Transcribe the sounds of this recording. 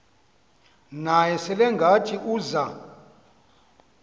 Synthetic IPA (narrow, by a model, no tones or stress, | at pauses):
najɛsɛlɛŋɡʱat͡ʃʼiʔuːza